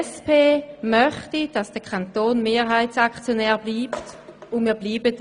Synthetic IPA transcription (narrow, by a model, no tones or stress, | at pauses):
spʰeːmœχtid̥ɑsd̥əkʰantoːnmeːʁɦaɪtsakt͡sjonɛːʁbliːptʊnmiːɐbliːbət